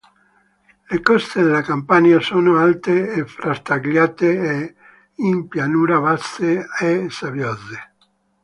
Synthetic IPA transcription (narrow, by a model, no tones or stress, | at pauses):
lekɔst̪ed̪elakampanjasonoalt̪eːfɾast̪aɡljaːt̪ee | impjanuːɾaβast̪eesaβjoze